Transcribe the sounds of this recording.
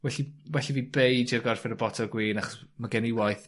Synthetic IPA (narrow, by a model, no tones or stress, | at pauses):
wɛɬiwɛɬiviːbejd͡ʒɪrɡɔr̥fɪɾəbɔtʰɔɡwiːnaχɔ̥smaɡɛniwajθ